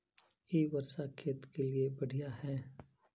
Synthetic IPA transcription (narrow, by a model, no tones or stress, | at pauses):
jeːʋɐɾsʃakʰet̪keliebɐɽ̤ijahɛː